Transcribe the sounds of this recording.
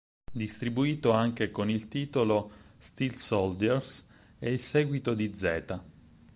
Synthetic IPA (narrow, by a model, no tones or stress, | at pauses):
d̪ist̪ɾibuiːt̪oaŋk̟ekonilt̪iːt̪olost̪ilsoɔld̪ɛrs | eilsɛːɡwit̪od̪id̪zɛːt̪a